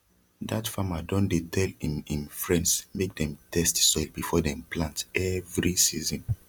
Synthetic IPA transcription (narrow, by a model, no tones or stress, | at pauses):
datfamadɔ̃ndetʰɛlĩmĩnfɹɛ̃ndsmek̚dɛ̃mtʰɛstsɔɪlbifɔdɛ̃mplãntɛvɹisizɔ̃n